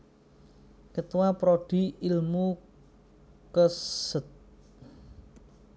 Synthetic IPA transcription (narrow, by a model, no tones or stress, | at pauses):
kət̪uwapɾoɖ̥i̤ilmu | kəsət̪̚